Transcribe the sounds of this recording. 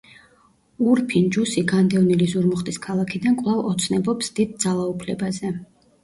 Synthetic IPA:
uɾpʰind͡ʒusiɡand̪ɛvnilizuɾmɔχt̪ʼiskʰalˠakʰid̪ankʼwlˠavɔt̪sʰnɛbɔpsd̪̥id̪̚d̪zalˠaupʰlɛbazɛ

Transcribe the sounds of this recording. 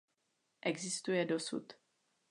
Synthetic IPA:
ʔɛɡzɪst̪ujɛdosṵt̪

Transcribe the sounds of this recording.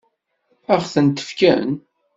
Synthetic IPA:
æʁθənt̪ə̥fkæ̰n

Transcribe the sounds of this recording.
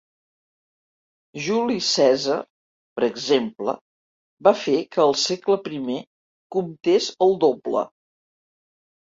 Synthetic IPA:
ʒulisɛzə̰ | pəɾəɡzemplə̰ | bafekəːlˠsekləpɾime | kumt̪ezəlˠd̪oblə̰

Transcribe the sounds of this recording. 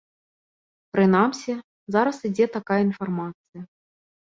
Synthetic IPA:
pɾɨnamsʲɛ | zaɾɐsid͡zʲet̪akajəinfarmat̪sɨjɐ

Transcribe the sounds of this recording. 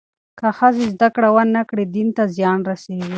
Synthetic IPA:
kaxasezd̪akɽawanːakɽed̪int̪azjɑnɾaseɡi

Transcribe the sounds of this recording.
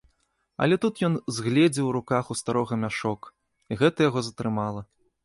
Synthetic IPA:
ɐ̰lʲɛt̪ut̪jɔnzɣlʲɛd͡zʲiwɾukaxust̪aɾɔɣɐmʲaʂɔk | iɣɛt̪ɐjaɣɔzɐt̪ɾɨmalˠɐ

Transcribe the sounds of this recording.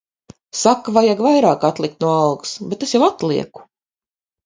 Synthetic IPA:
sakːavajaɡvajɾaːkat̪lˠik̚t̪nuɔɑlɡu̥sbet̪esjawat̪lˠiɛku̥

